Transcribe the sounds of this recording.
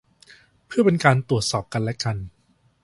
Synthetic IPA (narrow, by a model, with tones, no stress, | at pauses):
pʰɯ˥˩ɐpe˧nkaː˧nt̪u˨˩ət̪̚sɔː˨˩p̚ka˧nlɛ˦˥ka˧n